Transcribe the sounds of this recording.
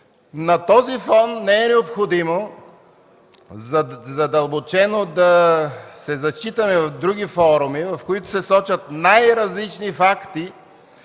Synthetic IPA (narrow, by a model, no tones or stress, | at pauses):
nɐt̪ɔzifɔnːɛɛnɛopxod̪imo | zzɐd̪ɐlˠbot͡ʃɛnod̪ɐsɛzɐt͡ʃit̪ɐmɛvɐvd̪ɾuɡifɔɾumivɐfkoit̪ʊ̥sɛsɔt͡ʃɐt̪najɾɐzlit͡ʃnifakt̪i